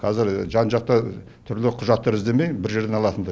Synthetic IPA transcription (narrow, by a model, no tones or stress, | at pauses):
qʰɑzɪɾʒɑnʒɑq̚t̪ɑ | t̪ʰʏɾlɪqʰʊʒɑt̪ːɑɾɪzd̪e̞me̞jbɪɾʒe̞ɾd̪enɑlˠɑt̪ənd̪ɑ